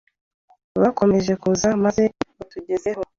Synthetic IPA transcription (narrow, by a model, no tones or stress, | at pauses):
βako̞me̞ʒe̞kuzamaze̞utuɟe̞ze̞ho̞